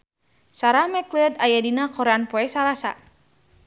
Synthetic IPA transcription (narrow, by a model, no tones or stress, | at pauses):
saɾamɛklɛd̪ajadinakɔɾeanpɔɛsalasa̰